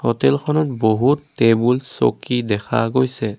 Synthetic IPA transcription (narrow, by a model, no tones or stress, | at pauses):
hɔtɛlxʰɔnɔt̚boɦutːebulso̰kidɛkʰaɡojsɛ